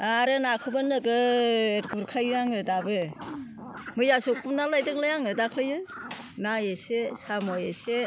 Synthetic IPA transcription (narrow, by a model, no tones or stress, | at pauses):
aɾɯnakʰɯbɯnɯɡɯeɾɡuɾkʰajujaŋɯdabɯ | mɯjasɔk̚pumnalajdɯklajaŋɯdakʰlɯjɯ | najesesamɔjese